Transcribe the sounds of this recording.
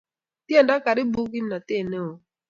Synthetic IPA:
tje˦nda˦ka˨ɾɪ˦bu˦ɡi˦mna˨t̪e˦˨ne˦o˨

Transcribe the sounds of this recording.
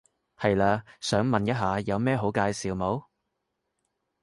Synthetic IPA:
hɐ˨jlaː˧sœː˨˥ŋmɐ˨njɐ˥t̚ɦaː˨˧jɐ˨˧wmɛː˥ɦo˨˥wkaː˧jsiː˨wmo˨˥w

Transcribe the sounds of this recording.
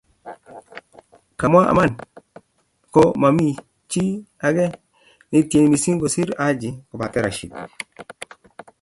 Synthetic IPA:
ka˨mwa˦ʔa̰˨ma˦˨n | kɔ˦ma˨mi˦ | t͡ʃi˦a˨ɡɛ˦ | nɪ˨˦tje˨n˨mi˨si˦ŋɡo˨si˦ɾa˨˦d͡ʒɪ˨kɔ˨ba˨tɛ˦ɾa˨ʃi˨k

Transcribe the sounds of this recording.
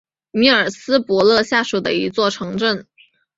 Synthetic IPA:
mi˥˩ə˞˨˩sɹ̩˥pwɔ˧˥lɤ˥˧ɕja˥˩ʂu˨˩d̪ə̰˦i˧˥t͡swɔ˥˩ʈ͡ʂʰɤ˧˥ŋʈ͡ʂə˥˩n

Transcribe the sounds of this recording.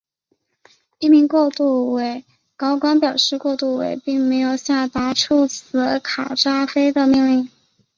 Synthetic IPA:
i˥˩mi˧˥ŋkwɔ˥˧t̪u˥˩we˧˥ɪ | kɑ˥ʊkwa˥npjɑ˨˩ʊʂɻ̩˥˧kwɔ˥˧t̪u˥˩wḛ˧˩ɪpi˥˩ŋme˧˥ɪjo˨˩ʊɕja˥˩t̪a˧˥ʈ͡ʂʰu˥˩t͡sʰɹ̩˧˥kʰa˨˩ʈ͡ʂa˥fe˥ɪd̪ə˨mi˥˧ŋli˥˩ŋ

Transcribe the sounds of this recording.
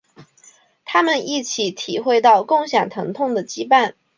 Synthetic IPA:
t̪ʰa˥mə˨ni˥˩t͡ɕʰi˧˥t̪ʰi˨˩xwe˥˧ɪt̪ɑ˥˧ʊkʊ˥˩ŋɕjɑ˨˩ŋt̪ʰɤ˧˥ŋt̪ʰʊ˥˩ŋd̪ə˩t͡ɕi˥pa˥˩n

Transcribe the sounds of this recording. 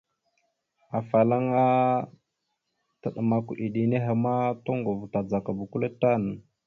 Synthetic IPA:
a˨fa˨la˦ŋa˦ | tə˨ɗə˨ma˨ku˨ʔi˨ɗi˨ne˦ɦa˨ma˦to˦ŋɡo˨vta˨d͡za˨ka˨bu˨ku˦le˦ta˦nə˨

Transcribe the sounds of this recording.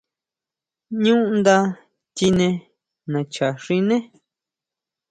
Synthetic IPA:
ɲũ˦ʔnd̪a˦ | t̪ʲi˧nẽ˧ | nã˨t͡ʃa˨ʂĩ˧nẽ˦

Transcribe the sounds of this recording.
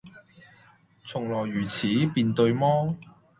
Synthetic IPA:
t͡sʰʊ˨˩ŋlɔː˨˩jːyː˨˩t͡sʰiː˨˥piː˨˧nt̪ɵ˧ɥmɔː˥

